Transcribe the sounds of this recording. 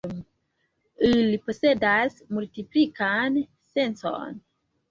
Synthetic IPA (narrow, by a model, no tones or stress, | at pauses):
ilipo̞se̞dasmultiplikan | se̞nso̰n